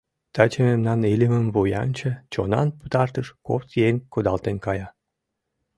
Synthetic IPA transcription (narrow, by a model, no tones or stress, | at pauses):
t̪ɑt͡ɕəmemnɑnilʲiməmvojɑ̰nt͡ɕə̆t͡ɕonɑnput̪ɑrt̪əʃko̰pt̪jenʲkod̪ɑlt̪enkɑjɑ